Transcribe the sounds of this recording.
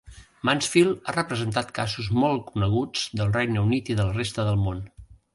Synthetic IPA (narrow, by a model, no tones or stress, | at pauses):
mansfilˠarəpɾəzənt̪at̪kazuzmɔlˠkunəɣ̞ud͡zd̪əlˠrɛjnəunit̪iðələrest̪əðəlˠmon